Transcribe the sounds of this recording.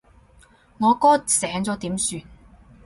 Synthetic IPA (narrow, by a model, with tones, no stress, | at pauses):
ŋɔː˨˧kɔː˥sɛː˨˥ŋt͡sɔː˨˧t̪iː˨˥msyː˧n